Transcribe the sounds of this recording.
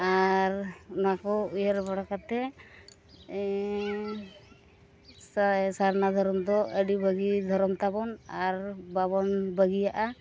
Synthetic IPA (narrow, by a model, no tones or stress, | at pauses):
aɾnɔakɔujaɾbaɽakat̪ɛ | saɾnad̪ʱɔɾɔmd̪ɔʔəɖibʱəɡid̪ʱɔɾɔmt̪abɔnaɾbabɔnbəɡijaʔa